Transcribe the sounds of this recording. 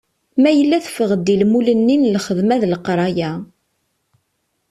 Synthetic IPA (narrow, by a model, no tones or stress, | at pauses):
mæjəlːæθfəʁəd̪ːilmulənːinlχəðmæðləqɾˤɑjæ